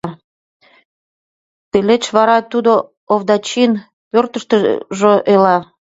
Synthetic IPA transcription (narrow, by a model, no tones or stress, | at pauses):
t̪elet͡ɕβɑɾɑt̪ud̪o | oβd̪ɑt͡ɕin | pørt̪əʃt̪əʒoʔelɑ